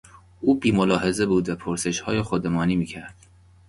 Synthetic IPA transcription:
ʔuːbiːmolɒːhe̞ze̞buːd̪væpʰoɾseʃhɒːjexod̪emɒːniːmiːcʰæɾd̪̥

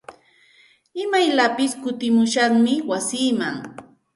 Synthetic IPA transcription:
ɪmajlapɪskʊt̪ɪmʊʃaŋmɪwasiːmaŋ

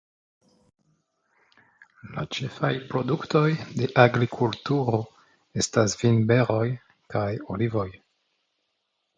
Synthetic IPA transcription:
la̰t͡ʃe̞fajpɾo̞dukto̞jde̞ʔaɡɾikʰultuɾo̞ | e̞stasvinbe̞ɾo̞j | kajolivo̞j

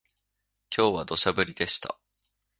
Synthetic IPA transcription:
kʲʰo̞ːβad̪o̞ɕabɯ̟ɾʲid̪e̞ɕi̥t̪a̰

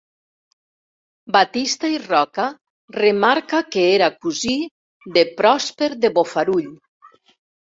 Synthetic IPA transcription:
bat̪ist̪airɔka | remaɾkakeeɾakuzi | ðepɾɔspeɾðeβofaɾuʎ

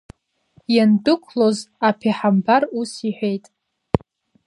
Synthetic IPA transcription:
jandɨkʷʰlozapʰiħambarusiħʷᶣejtʼ

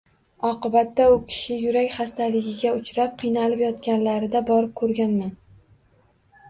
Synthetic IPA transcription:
ɒqɨbat̪ːaʊkʲʰɪ̥ʃɪjʊɾakʲχast̪ʰalɪɡʲɪɡʲaʊt͡ʃʰɾap̚qʰɨjnalɪpjɒt̪kʲanlaɾɪd̪abɒɾɪp̚kʰɵɾɡʲanman

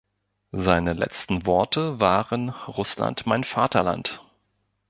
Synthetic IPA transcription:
zaɪnəlɛ̰t͡stn̩vɔɐtəvaːʁənʁʊsla̰ntmaɪnfaːtʰɐla̰nt

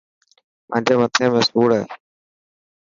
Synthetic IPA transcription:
mə̰̃ːd͡ʑeːmət̪ʰẽːmẽːsuːɽɦeː

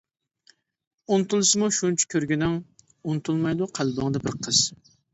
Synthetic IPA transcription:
unɨt̪ulˠɨsɨmuʃunt͡ʃʰɛ̥kʲʰøɾɡʲinɪŋ | unɨt̪ʰulˠmɑjd̪uqʰælˠbɑŋd̪ɑbɪɾqʰəz̥

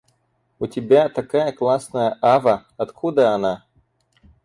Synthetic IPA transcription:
ʊtʲɪbʲat̪ɐkajəklˠasnəjəʔavəɐt̪kʰud̪əɐna

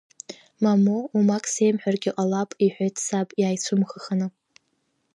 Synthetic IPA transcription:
mamoumakʼse̞jmħᶣarɡʲɪʔʼalapʼiħʷᶣejtʰsapʼjaːjt͡sʷʰʊmχəχanɨ

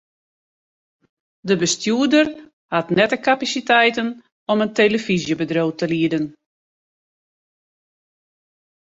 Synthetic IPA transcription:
dəbəstjuədər | hatnɛtəkapasitɛjtən | ɔmənteləfizjəbədroːtəliədən

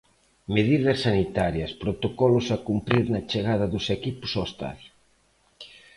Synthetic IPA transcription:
meðiðɐsːanit̪aɾjɐspɾot̪okɔlʊsakumpɾiɾnɐt͡ʃeɣ̞aðɐðʊsekipʊ̥sost̪a̰l

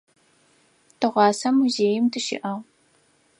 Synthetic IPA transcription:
tʰɨʁʷɑːsɐmuzeːjɪmtʰɨʃɪ̰ʔɐʁ

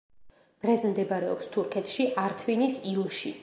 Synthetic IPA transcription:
d̪̥ʁɛsmd̪ɛbaɾɛɔ̰pst̪ʰuɾkʰɛt̪ʰʃiʔaɾt̪ʰvinisilˠʃḭ

